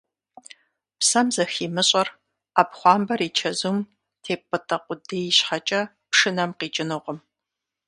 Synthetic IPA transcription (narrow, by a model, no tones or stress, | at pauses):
psɐmzɐxiːmɨɕʼɐr | apχʷɑːmbɐɾiːt͡ʃʰɐzum | tʰeːp̚ʰʼɨtʰʼɐqʷʼʊdeːjiɕħat͡ʃʼɐ | pʂɨnɐmqiːt͡ʃʼɪnɨʁʷɔm